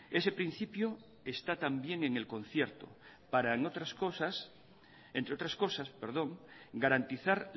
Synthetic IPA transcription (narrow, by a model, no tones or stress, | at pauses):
e̞se̞pɾin̟θipjo | est̪at̪ambje̞ŋe̞ŋelkõ̞n̟θjeɾt̪o̰ | paɾaeŋot̪ɾaskosas | ent̪ɾeot̪ɾasko̞saspeɾð̞o̞ŋɡaɾant̪iθaɾ